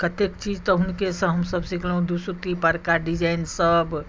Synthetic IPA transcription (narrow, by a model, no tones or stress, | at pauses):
kət̪ekt͡ʃid͡ʒt̪ɔɦunkesə̃ɦəmsəbsikʰlɦũd̪usut̪ipəɾkaɖid͡ʒainsəb